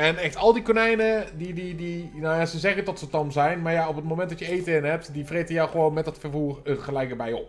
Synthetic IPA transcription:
ɛnɛχtɔlˠdikonɛjnədididinajasəzɛχətɔtsətɔmzɛjnmaɹjaopətmowmɛ̃ntdɔtjəejtəɪnɦɛp̚tdifretənjɔwχəʋoːnmɛtdɔtfərfuːrəχəlɛjk̚əbɛjɔ̰p

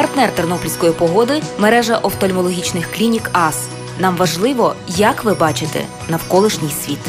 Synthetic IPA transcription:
pɐrt̪nɛrt̪ernɔplʲsʲkɔjipɔɦɔd̪ɪmeɾɛʒɐʔɔwt̪ɔlʲmɔlˠɔɦʲit͡ʃnɪxklʲinʲikɑs | nɑmʋɐʒlˠɪʋɔjɐkʋɪbɑt͡ʃɪt̪ɛ̰ | nɐwkɔlˠɪʃnʲijsʲʋʲit̪

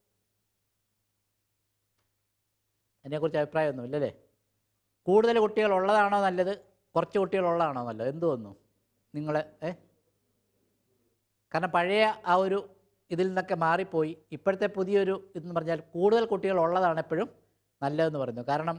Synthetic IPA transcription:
ɐniekːurit͡ɕːɐbʱipraːjɐmonːuilːɐlːe̞̰ː | kuːɽuðɐlkuʈːiɣɐɭoɭːɐðaːɳoːnɐlːɐðɨ | kurɐt͡ɕːɨkuʈːiɣɐɭoɭːɐðaːɳoːnɐlːoːe̞nd̪uʋɐnːu | niŋːɐɭe | kaːɾɐɳɐmpɐɻɐjɐaːo̞ɾu | iðilninːo̞kːe̞maːripːo̞ːjiipːoɾɐt̪ːepuðijɐo̞ɾuenːupɐrɐɲːaːlkuːɽuðɐlkuʈːiɣɐɭoɭːɐðaːɳepːɐɻum | nɐlːɐðe̞nːupɐrɐɲːukaːɾɐɳɐm

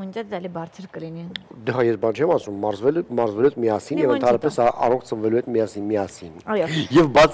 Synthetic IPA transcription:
mənt͡ʃɛt͡sɛlibɑɾt͡sʰəɾkəlinid̪əɦɑjɛsbɑnt͡ʃʰɛmɑsumːɑɾzvɛlmɑɾzvɛluɛt̪miɑsinjɛvənʰɑnɾɑpɛsɑʔɑ̰rɔkʰt͡sʰəɱvɛluhɛt̪miɑsinmiɑsinjjɛvbɑt͡s

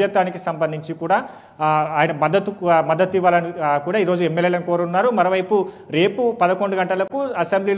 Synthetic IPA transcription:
jɐt̪ːaːnikisɐmbɐnd̪iɲt͡ʃikuːɽaː | aːjɐnɐmɐd̪ːɐt̪umɐd̪ːɐt̪ːiʋːaːlɐnikuːɽaːiːɾoːd͡ʒuemːelːeːlɐnikoːɾunːaːɾumɐɾoːʋɐjpuɾe̞ːpupɐd̪ɐko̞ɳɖuɡɐɳʈɐlɐkuɐsembliːl

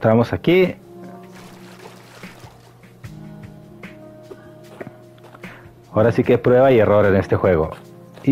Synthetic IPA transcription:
t̪ɾamo̞saki | aoɾasikepɾwe̞βaie̞ro̞ɾene̞st̪e̞xwe̞ɣo̞̰ | i

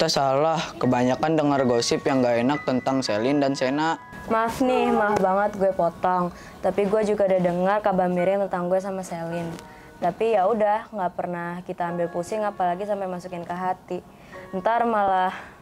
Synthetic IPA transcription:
it̪asalahkəbaɲakandəŋarɡosɪpjaŋɡaenak̚t̪ənt̪aŋselɪndansenaʔ | mafnɪhmafbaŋət̪̚ɡuɛpɔt̪ɔŋ | t̪apiɡuɛd͡ʒuɡadadəŋarkabamiɾɪŋt̪ənt̪aŋɡuɛs̬amaselɪn | t̪apijaudahŋɡaʔpərnahkit̪aːmbɪlpusɪŋapalaɡisampamasukɪnkaɦat̪i | ənt̪armalah

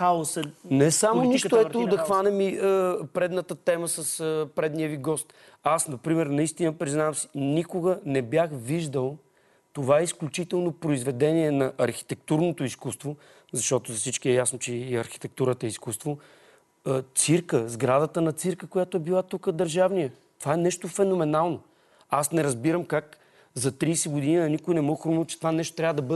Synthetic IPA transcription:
xaosɛnɛsamoniʃt̪oɛt̪od̪ɐxvanɛmiəpɾɛd̪nət̪ət̪ɛməsəsəpɾɛd̪nijəviɡɔst̪ | asnɐpɾimɛɾnɐist̪inəpɾiznavəmsi̥nikoɡənɛbjaxviʒd̪əlˠ | t̪ovaɛisklʲut͡ʃit̪ɛlˠnopɾoizvɛd̪ɛniɛnɐʔɐɾxi̥t̪ɛk̚t̪uɾnot̪ʊiskust̪vo | zɐʃt̪ɔt̪ʊzɐsit͡ʃkiɛjasnot͡ʃɛɐɾxi̥t̪ɛk̚t̪uɾət̪əɛiskust̪vo | t̪siɾkəzɡɾad̪ət̪ənɐt̪siɾkəkojat̪oɛbilˠat̪ukəd̪əɾʒavnijə | t̪ovaɛnɛʃt̪ofɛnomɛnalˠno | asnɛɾəzbiɾəmkak | zɐt̪ɾiːsɛɡʊd̪iniɐnikʊjnɛmoxɾumot͡ʃɛ̥t̪ovanɛʃt̪o̥t̪ɾʲavəd̪ɐbɤd̪

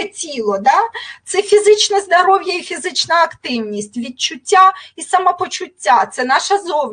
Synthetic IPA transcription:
ɛtʲilˠɔd̪ɑt̪sɛfʲizɪt͡ʃnɛzd̪ɐɾɔwjɐifʲizɪt͡ʃnɐɐkt̪ɪwnʲisʲtʲʋʲid̚t͡ʃʊtʲːaisɐmɐpɔt͡ʃʊtʲːat̪sɛnɑʃɐzɔʋ

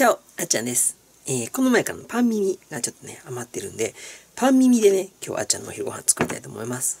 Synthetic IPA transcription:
t͡ɕao | at͡ɕã̰nd̪e̞sɨ̥ | eːko̞no̞maekaɾano̞pʰãmːʲimʲiɡat͡ɕo̞t̪ːo̞ne̞̰amat̪ːe̞ɾɯ̟̃nd̪e̞pãmːʲimʲid̪e̞ne̞kʲo̞̰ːʔa̰t͡ɕã̰nːoçʲiɾɯɡo̞hã̰nt͡sɨ̥kɯ̟ɾit̪ai̥t̪o̞ːmo̞imasɨ̥

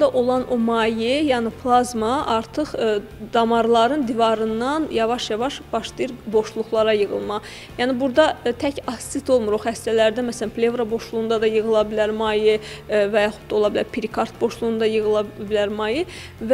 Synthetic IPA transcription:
d̪ɑʔo̞lˠɑnʔomɑjɯjæːnipʰlˠɑzmɑʔɑɾt̪ʰɯχd̪ɑmɑɾlˠɑɾɯnd̪ivɑɾɯnːɑnjɑvɑʃjɑvɑʃb̥ɑʃd̪ijɯɾbo̞ʃlˠuχlˠɑɾɑjɯɣɯ̰lˠmɑ | jæːnibuɾd̪ɑt̪ʰæcɑst̪it̪ʰo̞lˠmuɾoχæst̪ælæɾd̪æmæsælænpʰlʲe̞vɾabo̞ʃlˠuɣund̪ɑd̪ɑjɯɣɯlˠɑbilæɾmɑjɯvæjɑχu̥t̪̚d̪ɑo̞lˠɑbilæɾpʰiɾikʰɑɾt̪̚bo̞ʃlˠuɣnd̪ɑjɯɣɯlˠɑbilæɾmɑjɯ | v

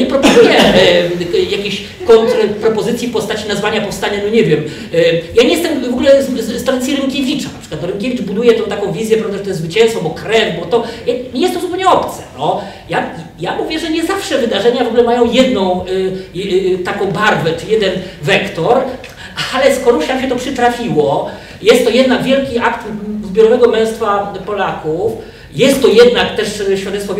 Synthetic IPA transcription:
ɲɛpɾɔpɔzujɛ | jakʲeɕ | kɔnt̪ɾpɾɔpɔzɘt̪sʲjipɔst̪at͡ɕinazvaɲapɔfst̪aɲanɔɲɛvʲjɛm | jaɲejɛst̪ɛmvɔɡulɛt̪aɾat̪sjiɾɘmkʲevʲit͡ʂanapʂɘ̥kwat̪ɔɾɘmkʲevʲid͡ʐbud̪ujɛt̪ɛ̃w̃t̪akɔ̃w̃vʲizʲjɛpɾavd̪aʐɛt̪ɔjɛzvɘt͡ɕɛ̃nst̪fɔ̃bɔkɾɛvbɔt̪ɔjaɲʲejɛst̪ɔ̃zupɛwɲɛɔpt̪sɛ̥nɔ | jajamuvʲjɛʐɛɲɛzafʂɛvɘd̪aʐɛɲavɔɡulɛmajɔ̃w̃jɛd̪nɔ̃w̃ | t̪akɔ̃w̃baɾvɛt͡ʂɘjɛd̪ɛnvɛkt̪ɔɾ | aalɛskɔɾuɕamɕ̬ɛt̪ɔpʂɘt̪ɾafʲiwɔ | jɛst̪ːɔjɛd̪naɡvʲjɛlkʲiakt̪zbʲjɔɾɔvɛɡɔmɛ̃w̃st̪fapɔlakuf | jɛst̪ːɔjɛd̪nakt̪ɛʂɕfʲjad̪ɛt̪sfɔ

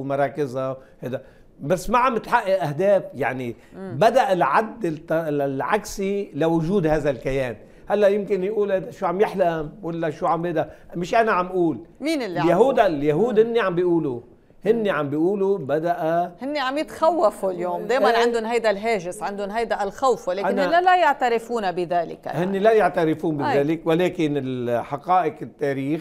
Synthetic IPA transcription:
mɑɾˤɑːkɪzahajd̪a | basːmaʕamɪt̪ħaʔːaʔʔahd̪eːfja̰ʕni | bad̪aʔalʕad̪ːɪt̪ːlʕa̰ksilawʊʒuːd̪haːðalkajeːn | halːaʔjɪmkɪnjʔuːlad̪aʃuːʕamjɪħlamwalːaʃuʕambeːd̪amɪʃʔanaʕamʔuːlmiːnɪlːjahuːd̪ljaɦuːd̪hɪnːiʕambiʔuːlu | hɪnːiʕambiʔuːlubad̪aʔahɪnːiʕamjɪt̪xawːafuljoːmd̪eːjmannʕɪnd̪ʊnɦajd̪alɦeːʒɪsʕɪnd̪ʊnɦajd̪aʔlxawfwaleːkanlːalajaʕt̪aɾɪfuːnabɪðaːlɪ̰ka̰hɪnːilajaʕt̪aɾɪfuːnbiðaːlɪkwaleːkɪnɪlħɑqɑːʔɪqɪt̪ːeːɾiːx

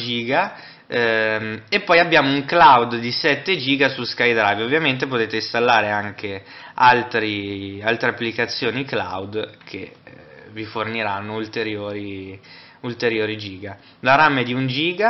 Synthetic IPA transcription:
d͡ʒiːɡa | epːɔjabːjaːmouŋklawd̪d̪isɛt̪ːed͡ʒiːɡasuskajd̪ɾavovːjament̪epot̪eːt̪eist̪alːaːɾeaŋkealt̪ɾialt̪ɾeapːlikat̪sːjoːnikla̰wd̪kʰḛ | viforniɾanːoult̪eɾjoːɾi | ult̪eɾjoːɾid͡ʒiːɡa | laɾamed̪iund͡ʒiːɡa

